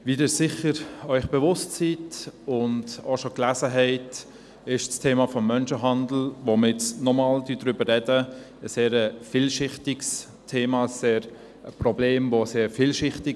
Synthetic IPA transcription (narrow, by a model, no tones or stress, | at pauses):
vidɪːsɪχəɾœʏχb̥ɛvʊstsitʊndoʃoklæzəɦɛɪt | ɪʃstʰeːmɑfɔmːœnʃəɦɑndl̩ʋoməɪt͡snɔmɑːldydɾʏbərɛdə | əseːɾəfiːlʃɪχtɪks | tʰeːmɑəsːeːɾ | əprɔbleːmvoseːɾfiːlʃɪχtɪ